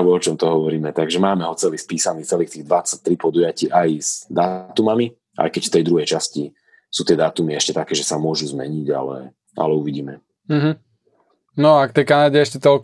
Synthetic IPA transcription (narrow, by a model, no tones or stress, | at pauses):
ʋɔɔt͡ʃɔmt̪ɔɦɔʋɔɾiːmɛt̪aɡʒɛmaːmɛɦɔt͡sɛliːspiːsaniːt͡sɛliːxt̪iːɣd̪ʋat͡sat̪ɾipɔd̪ujaciːʔajz̥d̪aːt̪umami | ʔa̰jkɛcft̪ɛjd̪ɾuɦɛjt͡ʃasci | suːt̪ɪɛd̪aːt̪umiɛʃcɛt̪akɛːʒɛsamʊɔʒuzmɛ̰ɲiɟa̰lɛ̰ | a̰lɛuʋiɟiːmɛ | m̩ɦ̩ | nɔakt̪ɛjkanaɟɛɛʃcɛt̪ɔlk